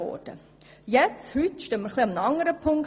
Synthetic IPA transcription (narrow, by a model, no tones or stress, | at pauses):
ɔ̰ːd̥ə̰ | jɛt͡shyt̪ʃtœːməɾχliɑmənɑŋəɾəpʰʊŋk